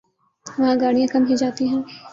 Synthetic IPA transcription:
ʋɐɦãɡaːɽijãkɐmɦid͡ʒaːt̪iɦɛ̃ː

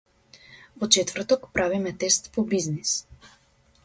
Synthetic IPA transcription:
vɔt͡ʃɛt̪vrt̪ɔkpɾʔavimɛt̪ɛst̪pɔbiznis

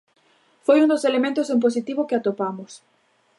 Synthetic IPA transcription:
fojund̪oselemẽnt̪ʊsemp̬os̬it̪iβʊkeat̪opamʊs

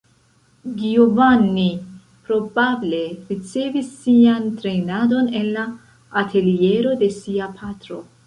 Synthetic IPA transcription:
ɡiovanːi | pɾo̞bable̞ɾit͡se̞visːiantɾe̞nado̞ne̞nːaː | tʰe̞lie̞ɾo̞de̞siapʰatɾo̞

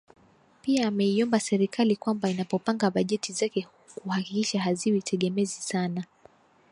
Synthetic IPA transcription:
piaːmɛiɔmbasɛɾikʰalikwambainapɔpaŋɡaɓaʄɛtizakɛ | kuhakikiʃaɦaziwitʰɛɠɛmɛzisana

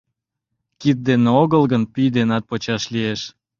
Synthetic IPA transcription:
kit̪̚d̪eneoɣəlɣənpyjd̪enɑt̪̚pot͡ɕɑʃlieʃ

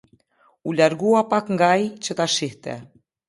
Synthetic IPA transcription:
ulaɾɡuapakŋɡait͡ɕət̪aʃiht̪ɛ̰

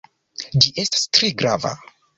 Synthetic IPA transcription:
d͡ʒiʔe̞stḁstɾe̞ɡɾava̰

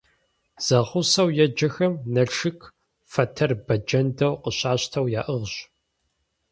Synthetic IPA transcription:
z̥ɐʁʊsɐwjɛd͡ʒɐxɐmnɐʈ͡ʂɨkʰ | fɐtʰɐrbɐd͡ʒɐndɐwqəɕaːɕtʰɐwjaːʔɨʁɕ

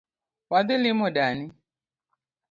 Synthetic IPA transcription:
wad̪ɪlɪmɔdani

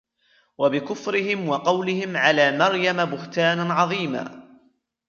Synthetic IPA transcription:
wabɪkʊfɾɪɦɪmwɑqɑwlɪhɪmʕalaːmɑɾˤjamabʊht̪aːnaʕɑðˤiːma̰ː

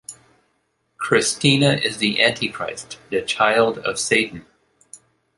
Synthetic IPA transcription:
kʰɹ̥ɨstĩnɨʔɪzðiʔæ̃ntʰikʰɹ̥a̰ɪstðɨt͡ʃʰaɪlˠdʌ̰v̥seɪʔn̩

